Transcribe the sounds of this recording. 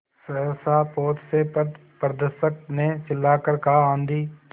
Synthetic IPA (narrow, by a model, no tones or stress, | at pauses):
səəsaːpoːt̪se | pɾəd̪əsək̚net͡ʃɪlːaːkəɾkaãːnd̪iː